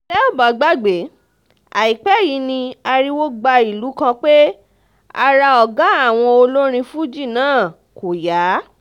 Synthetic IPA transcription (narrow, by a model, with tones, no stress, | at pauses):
lɛ˦o˦˨ba˨ɡ͡ba˦ɡ͡be˨˦ | a˨i˨k͡pɛ˨˦ji˨˦nĩ˧a˧ɾi˦wo˦ɡ͡ba˧i˨lu˨˦kã˧k͡pe˦ | a̰˧ɾa˧ɔ˨ɡã˨˦a˦˨w̃ɔ̃˧o˧lo˦ɾ̃ĩ˧fũ˦d͡ʒi˦˨nãː˦˨ | ko˨ja˨˦